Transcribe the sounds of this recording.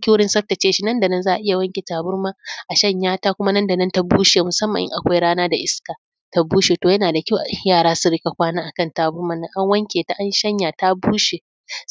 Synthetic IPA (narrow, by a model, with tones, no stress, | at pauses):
kʲi˦wʊ˦ɽɪ˦nsɐ˦ɸta˨t͡ʃeː˦ʃi˦nɐ˦nda˨nɐ˦nzaː˦ʔa˨ʔɪ˦ja˨wɐ˦ŋkʲe˨taː˨bʊ˦ɽmaː˦ʔa˨ʃɐ˦˨ɲjaː˦ta˦kʷʊ˦ma˦nɐ˦nda˨nɐ˦nta˦buː˦ʃeː˨mʊ˨sɐ˦mːɐ̰˨ɪ̰˦ʔa˨kʷa˦jɽaː˦naː˦da˨ʔɪ˦skaː˨ | ta˦buː˦ʃeː˨toː˨jɐ˦naː˨da˨kʲa˦wʔa˨˦jaː˦˨ɽaː˦su˦ɾɪ˦ka˨kʷaː˦naː˦ʔa˨kɐ˦˨ntaː˨bʊ˦ɽma˦nɐ˦˨ŋʔa˦ŋwɐ˦ŋkʲeː˨ta˦ʔa˦nʃɐ˦ɲjaː˨ta˦buː˦ʃeː˨